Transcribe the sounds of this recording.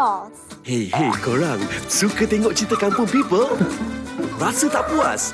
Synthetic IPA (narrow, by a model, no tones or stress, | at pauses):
hejhejkəɾaŋsukət̪ɛŋɔʔt͡ʃit̪əkanpʊnpipəl | rasət̪aʔpua̰s